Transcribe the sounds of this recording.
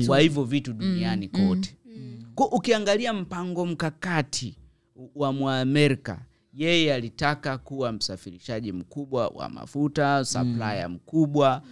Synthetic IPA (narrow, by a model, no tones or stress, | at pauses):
kwahivjɔvituɗunianikɔtɛ̥kʔukiaŋɡaliam̩paŋɡɔm̩kakatʰi | wamwamɛɾika̰ | jɛjɛalitakakuwam̩safiɾiʃaʄim̩kuɓwa̰wa̰ma̰futasa̰plaja̰m̩kuɓwa